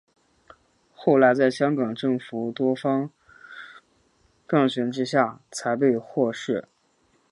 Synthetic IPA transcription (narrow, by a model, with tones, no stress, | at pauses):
xo˥˩ʊla˧˥ɪt͡sa˥˩ɪɕjɑ˥ŋkɑ˨˩ŋʈ͡ʂɤ˥˩ŋfu˧˥t̪wɔ˥fɑ˥ŋ | kɑ˥˩ŋɕɥɛ˧˥nʈ͡ʂɻ̩˥ɕja˥˩t͡sʰa˧˥ɪp̬e˥˧ɪxwɔ˥˧ʂɻ̩˥˩